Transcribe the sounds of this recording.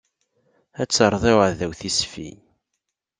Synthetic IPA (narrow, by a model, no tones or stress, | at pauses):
æt͡sːəɾˤðˤeʕðæwθisfḭ